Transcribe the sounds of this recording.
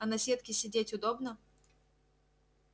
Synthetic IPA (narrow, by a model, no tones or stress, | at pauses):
ɐnɐsʲet̪kʲɪsʲɪdʲetʲʊd̪obnə